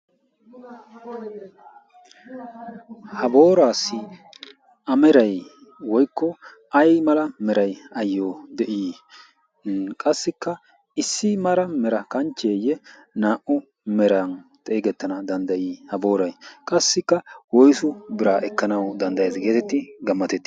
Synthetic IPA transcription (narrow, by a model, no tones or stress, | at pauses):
hɐbo̞ːɾaːsːɪ | ʔɐmɛɾɐj | wɔjkʰːɔ | ɐjmɐlɐmɛɾɐjɐjːoːd̪ɛʔiː | kʼɐsːɪkːɐ | ɪsːɪmɐlɐmɛɾɐkɐnt͡ʃːeːjɛ | naːʔʊ | mɛɾɐnt̪ʼɛːɡɛt̪ːɐnɐd̪ɐnd̪ɐjiːhɐbo̞ːɾɐjkʼɐsːɪkːɐwɔjsʊbɪɾaːʔɛkːɐnɐwd̪ɐnd̪ɐjeːzɡe̞ːt̪ɛt̪ːɪɡɐmːɐt̪ɛt̪ːɪ̥